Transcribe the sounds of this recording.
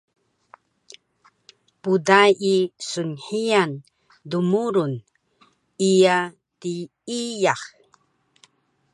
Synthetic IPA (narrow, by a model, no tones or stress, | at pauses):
pudajisunħijan | dumuɾun | ija | ti | ijax